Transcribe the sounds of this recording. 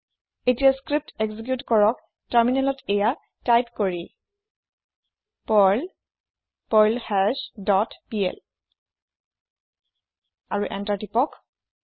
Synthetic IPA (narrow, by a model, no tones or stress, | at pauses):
etijaskɹip̚teɡzik̬jutkɔɹɔk̚ | taɹminɛlɔteja | tajtkoɹi | pɔl | pɔjlhɛsdɔtpiɛ̰l | aɹuʔɛ̰ntaɹtipɔk